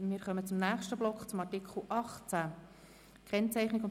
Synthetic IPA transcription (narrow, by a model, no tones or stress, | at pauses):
mɪːɾχœmət͡sʊmnæːχʃtəblɔkχt͡sʊmɑɾtɪkχl̩ˠʔɑχt͡sæ | kʰɛnt͡sæɪχnɪkʊn